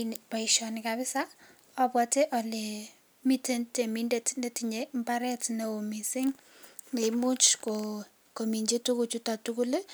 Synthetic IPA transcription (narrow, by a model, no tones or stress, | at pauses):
paiʃɔnɪkabɪsa | ɔpwɔteʔɔle | mitentemindetnetiɲembaɾɛtneomisɪŋ | emʊt͡ʃko | komiɲd͡ʒitukut͡ʃutatukule